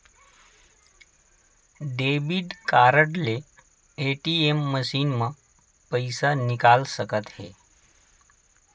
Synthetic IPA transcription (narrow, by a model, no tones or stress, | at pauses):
ɖeːbiɖkaːɾəʈle | eʈiemːəʃiːnmã | pəɪsanɪkaːlsəkət̪hḛː